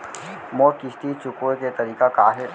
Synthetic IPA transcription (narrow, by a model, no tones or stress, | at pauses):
mokɪʃt̪it͡ʃʊkoket̪ɐɾiːkakaːɦɪ